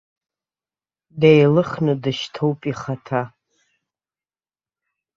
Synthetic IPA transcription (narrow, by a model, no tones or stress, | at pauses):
dejlɨχnɨdɨʃtʰowpʼiχatʰa